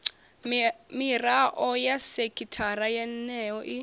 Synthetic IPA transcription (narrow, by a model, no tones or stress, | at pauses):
miraʔɔjasekʰʼitʰarajɛnːɛɔʔi